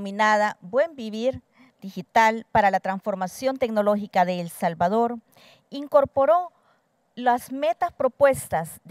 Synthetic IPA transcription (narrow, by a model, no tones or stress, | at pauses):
minaðabwe̞mbiβiɾ | d̪ixit̪alpaɾalat̪ɾansfoɾmasjo̞nt̪eknoloxikaðeːlsalβaðoɾ | iŋkoɾpoɾo | lasmet̪aspɾopwest̪azd̪